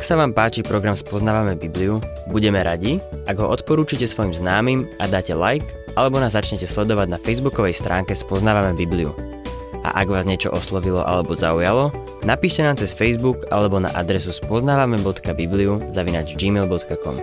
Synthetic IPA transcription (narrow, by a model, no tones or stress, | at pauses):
aksaʋaːmpaːt͡ʃipɾɔɡɾamspɔznaːʋamɛbibliu | buɟɛmɛɾaɟiaɡɦɔʔɔt̪pɔɾuːt͡ʃicɛsʋɔjimznaːmimʔad̪aːcɛlajk | ʔalɛbɔnaːzːat͡ʃɲɛcɛslɛd̪ɔʋaɟnafɛjzbukɔʋɛjst̪ɾʔaːŋkɛspɔznaːʋamɛbibliṵ | ʔa̰ʔaɡʋaːzɲɪɛt͡ʃɔ̰ʔɔslɔʋilɔ̰ʔa̰lɛbɔzaujalɔ | napiːʃcɛnaːmt͡sɛsfɛjzbuka̰lɛbɔna̰ʔad̪ɾɛsuspɔznaːʋamɛbɔt̪kabibliuzaʋina̰ːd͡ʒd͡ʒiːmɛlbɔt̪kakɔ̰m